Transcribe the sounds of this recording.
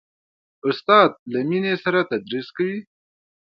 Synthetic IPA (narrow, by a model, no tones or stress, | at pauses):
ʊst̪ɑːd̪̚laminesaɾat̪ad̪ɾiskawi